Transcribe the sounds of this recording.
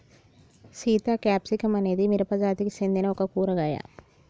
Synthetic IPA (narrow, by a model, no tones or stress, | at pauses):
siːt̪akɛːpsikemɐned̪imɪɾɐpad͡ʒaːt̪iksẽnd̪eneokakuːɾɐɡaːja̰ː